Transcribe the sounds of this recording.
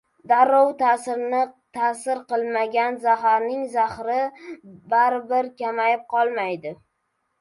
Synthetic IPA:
d̪aɾːowt̪ʰasɪɾnɪt̪ʰasɪɾqɨlˠmaɡʲanzaɦaɾnɪŋzaχɾɪbaɾbɪɾkʲamajɪp̚qʰɒlˠmajd̪ɪ

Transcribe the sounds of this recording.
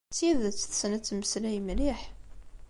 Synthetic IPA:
t͡sːjiðət͡sːθsnæt͡sːməslæjmliħ

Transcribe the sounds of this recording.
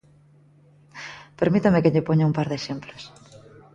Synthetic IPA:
peɾmit̪amekɪʎɪpoɲaumpaɾðeʃemplos

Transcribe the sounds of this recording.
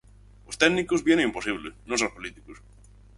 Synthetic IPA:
ost̪ɛnːikuzβjɛnɪimposiβlɪnosaspolit̪i̥kus

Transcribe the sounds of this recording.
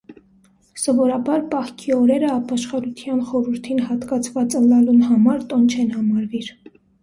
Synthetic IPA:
sɔvɔɾɑbɑɾpɑχkʰiɔɾɛɾəɑpɑʃχɑɾut̪ʰjɑnχɔɾuɾt̪ʰinhɑt̪kɑt͡sʰvɑt͡sənːɑlunhɑmɑɾt̪ɔnt͡ʃʰɛnhɑmɑɾviɾ

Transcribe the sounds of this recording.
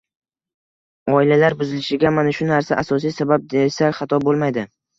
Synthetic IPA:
ɒɪlalaɾbʊzɪlɪʃɪɡʲamanaʃʊnaɾsaʔasɒs̬ijsabab̚d̪esakʲχɑt̪ʰɒbolˠmajd̪ɪ

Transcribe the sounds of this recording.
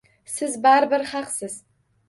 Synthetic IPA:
sɨzbarbɨrχaqsɨz

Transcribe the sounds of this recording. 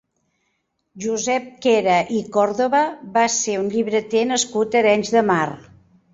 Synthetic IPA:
ʒuzɛp̚kɛɾəʔikɔɾðoβəβaseunʎiβɾət̪enəskut̪əɾɛnzðəmar

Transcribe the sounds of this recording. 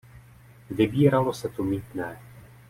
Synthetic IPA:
vɪbiːɾalo̞sɛt̪umiːt̪nɛː

